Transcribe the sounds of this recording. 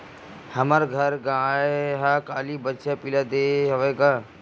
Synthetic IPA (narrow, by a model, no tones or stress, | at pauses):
həməɾɡʱəɾɡãːeɦakaːlibətːʃapilad̪eːɦʋeːɡaː